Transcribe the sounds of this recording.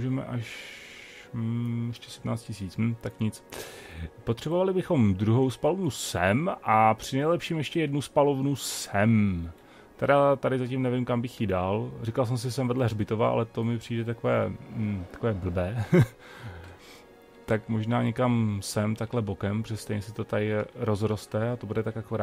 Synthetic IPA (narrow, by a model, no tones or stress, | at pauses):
uʒɛmɛ̰ʔaʃ | jɛʃcɛ̥sɛdmnaːt͡st̪̚cɪsiːt͡sm̩t̪akɲɪt͡s | pot̪r̥ɛbo̞valɪbɪxo̞md̪ɾuɦo̞wspalovnusɛmʔapr̝̥ɪnɛjlɛpʃiːmjɛʃcɛjɛdnuspalovnusɛm | t̪ɛdat̪adɪzacimnɛvɪmkambɪxjɪdaːlrikals̬ɛms̬ɪsɛmvɛdlɛɦrbɪt̪ova̰ʔa̰lɛt̪o̞mɪpr̝̥iːdɛt̪akovɛ̰ːt̪ḁkovɛːbl̩bɛː | t̪akmo̞ʒnaːɲɛkamsɛmt̪aklɛbo̞kɛmpɾo̥ɛst̪ɛjɲɛsɪt̪ot̪ajɪɾo̞zɾo̞st̪ɛat̪o̞budɛt̪akjakoɾaː